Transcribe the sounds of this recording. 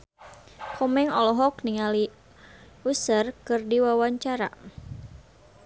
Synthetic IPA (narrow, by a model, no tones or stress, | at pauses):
kʰɔmɛŋɔlɔɦɔk̚niŋali | usərkɨrdiwawaɲt͡ʃaɾa̰